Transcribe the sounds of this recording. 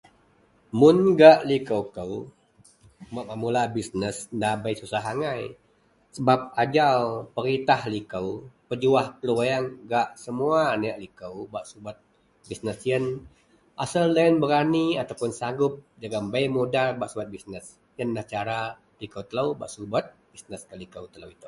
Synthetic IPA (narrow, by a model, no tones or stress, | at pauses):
mʊnɡaʔlikəwkəw | maʔmamulabisnəsndabəjsusaɦaŋaj | səbap̚ad͡ʒalpəɾit̪ahlikəwpəd͡ʒuahpəluwajaŋɡaʔsəmuanajaʔlikəwbaʔsubət̪̚ | bisnəsjən | ʔasəlːənbəɾaniat̪awpʊnsaŋɡʊp̚d͡ʒaɡambəjmudabaʔsuat̪̚bisnəs | jənːaht͡ʃaɾa | likəwt̪ələwba̰ʔsubət̪̚b̥isnəskəlikəwt̪ələwit̪u